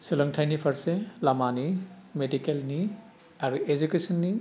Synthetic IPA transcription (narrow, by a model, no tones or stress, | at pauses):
silɐŋtʰajnipʰaɾselamanimedikelni | aɾued͡ʒukesɔnːi